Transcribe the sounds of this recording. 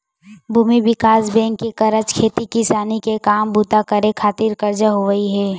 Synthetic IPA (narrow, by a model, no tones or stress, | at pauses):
bʱuːmibɪkaːsbɛ̃ːŋkːekɐɾəd͡ʒkʰeːt̪ikɪsaːnikekaːmbuːt̪akəɾekʰaːt̪iɾkəɾd͡ʒaɦoʋəiɦɛː